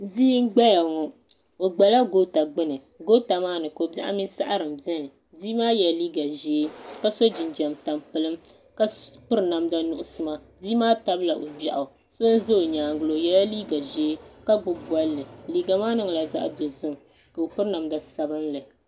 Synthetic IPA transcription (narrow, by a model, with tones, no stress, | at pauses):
di˦ŋ̩˦ɡ͡ba˦ja˨ŋɔ˨ | o˨ɡ͡ba˨la˦ɡo˦ta˨ɡ͡bɨ˦nɨ˨ | ɡo˦ta˨maː˦nɨ˨ko˨ba˦ʔa̰˦mi˦n˦sa̰˦ʔa˦ɾɨ˨mbjɛ˦nɨ˨ | di˦maː˦jɛ˨lliː˦ɡa˨ʒeː˦ka˦so˦d͡ʒɪ˨n˨d͡ʒɛ˨mta˨mpɨ˦lɨ˦m | ka˦pɨ˦ɾɨ˨na˨mda˦nʊ˦ʔʊ˨sɨ˦ma˦di˦maː˦ta˦bla˨ʔo˨ba˨ʔa˨ | so˦n˦zo˦˨ɲaː˨ŋɡɨ˦lo˨jɛ˦la˦liː˦ɡa˨ʒeː˦ka˦ɡ͡bʊ˦bu˦a˦lːɨ˨liː˦ɡa˨maː˦nɨ˦ŋ˨la˨za̰˦ʔbɛ˨zɨ˦m | ka˨o˨pɨ˦ɾna˨mda˨sa˨bɨ˦nlɨ˨